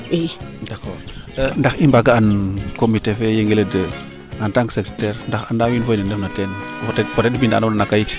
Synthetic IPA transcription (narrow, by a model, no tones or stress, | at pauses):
edako | ndaximbaɡaankomitefejeŋɡeledə | antaŋɡsekɾetɛɾndaxandawinfoinənəfnaten | ftefotedifinda̰nnanakajiti̥